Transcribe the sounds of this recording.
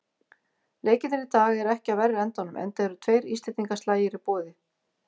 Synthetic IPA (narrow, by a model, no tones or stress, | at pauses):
leːjcɪnɪnɪt̪aːɣɛɾɛhcɪaðvɛrːɪɛnt̪anʏmʔɛ̰nt̪ɛɾʏt̪ʰveːjɾḭst̪ɪt̪iŋkast̪laːjɪɾipɔːðɪ